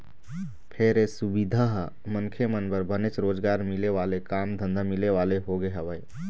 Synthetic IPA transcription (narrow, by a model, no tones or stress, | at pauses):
pʰeːɾesʊbid̪ʱaɦ | mənkʰemənbəɾbənet͡ʃɾoːd͡ʒɡaːɾmɪleʋaːlekaːmd̪ʱə̃nd̪ʱamɪleʋaːleɦoɡeɦəʋəj